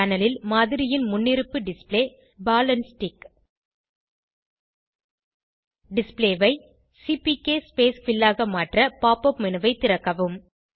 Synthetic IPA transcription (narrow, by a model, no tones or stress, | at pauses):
ɐnɐlɪlmaːðɪɾɪjɪnmʊnːɪɾɯpːɯɖɪspleː | baːlɐnsʈɪk | ɖɪspleːʋɐɪ | sipikeːspeːsfɪlːaːɣɐmaːʈrɐpaːpɐpmɪnɯʋɐɪt̪ːɪɾɐkːɐʋɯm